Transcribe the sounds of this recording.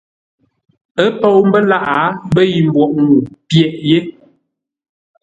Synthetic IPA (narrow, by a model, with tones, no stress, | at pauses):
ə˦pɔ˦˨wm˦bə˦la˦˨ʔa˨˦bə˦ji˨m˨bwɔ˨ʔŋu˨pjɛ˨ʔje˦